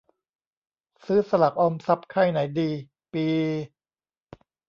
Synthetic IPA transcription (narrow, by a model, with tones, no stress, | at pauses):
sɯː˦˥sa˧la˨˩k̚ʔɔ˧msa˦˥p̚kʰa˥˩jna˩˦jdiː˧ | piː˧